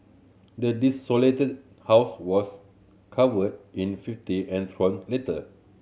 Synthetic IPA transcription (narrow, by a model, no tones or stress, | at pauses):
dədisoletəd̚ | hawswɔs | kʰavəd̚ĩnfiftiɛ̃ntʰɹɔ̃nletə